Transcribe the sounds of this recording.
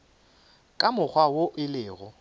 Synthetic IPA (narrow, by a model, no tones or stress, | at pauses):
kʼamʊk͡xʰwawoʔɪlɪːɣɔ